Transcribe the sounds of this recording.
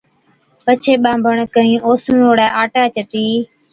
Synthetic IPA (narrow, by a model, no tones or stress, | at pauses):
pət͡ʃʰeːɓãːmbʱəɳkəĩːʔoːsənoːɽaːʔaːʈaːt͡ʃət̪iː